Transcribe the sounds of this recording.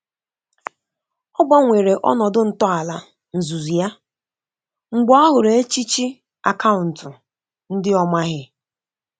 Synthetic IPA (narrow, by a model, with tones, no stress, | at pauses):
ɔ˦ɡ͡ba˦ŋʷe˨ɾe˨ʔɔ̰˦nɔ˨dʊ˦n̩˨tɔ˦a˨la˨ | n̩˨zu˨zi˨ja˦ | ŋ͡m̩˨ɡ͡bɔ˦a˦ɦʊ˨ɾe˨e˦t͡ʃi˦t͡ʃi˦ | a̰˨ka˦ʊ˨n̩˨tʊ˨ | n̩˦dɪ˦ɔ˦ma˦ɦɪ˦